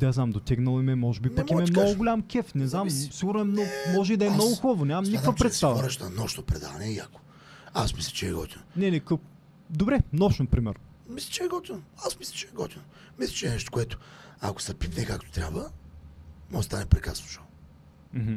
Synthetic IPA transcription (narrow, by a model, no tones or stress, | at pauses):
aznamd̪ot̪ʲɛɡnɐlˠimɛmɔʒɛbipɐkkimɛmnɔɡʊɡʊlʲamkʲɛfnɛznamsiɡʊɾnʊɛmnɔmɔʒɛid̪ɐɛmnɔɡʊxubəvonʲamɐmnikkkvɐpɾɛt̪st̪avɐɾɛʃnɐnɔʃnopɾɛd̪a̰vɐnɛia̰ko̥ | asmislʲɛ̥t͡ʃɛɛɡɔ̰t̪ʲinonɛnɛkə | d̪obɾɛnɔʃnopɾimɛɾ | mislʲɛ̥t͡ʃɛɛɡɔt̪ʲinoasmislʲɛ̥t͡ʃɛɛɡɔ̰t̪ino | mislʲɛ̥t͡ʃɛnɛʃt̪o̥kʷʊɛt̪ʊ̥a̰ko̥sɐɾpifnɛkak̚t̪o̥t̪ɾʲa̰bvə | mɔʒt̪anɛpɾɛkɾa̰sno̥ʃo | m̩ɦm̩